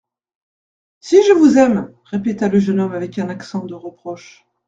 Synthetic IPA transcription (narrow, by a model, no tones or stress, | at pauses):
siʒəvuzɛm | ʁepet̪aləʒənɔmavɛkɛ̃naksɑ̃d̪əʁəpχɔʃ